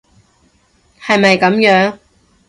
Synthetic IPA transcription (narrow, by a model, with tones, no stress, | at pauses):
hɐ˨jmɐ˨jkɐ˨˥mjœː˨˥ŋ